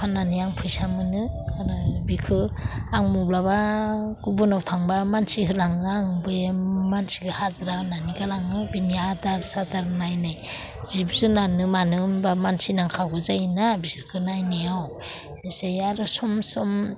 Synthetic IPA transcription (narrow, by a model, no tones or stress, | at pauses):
pʰananijaŋpʰɯjsamɯnɯaɾɯbikʰɯaŋmublaβaɡubɯnawtʰaŋbamansiɦɯlaŋɯaŋbɯmansiɡɯhazɾawnaniɡalaŋɯbiniadaɾsadaɾnajnajz̥ibzunanɯmanɯmbamansinaŋkʰaɡɯzajnabisiɾkʰɯnajneaw | isejaɾɯsɔmsɔm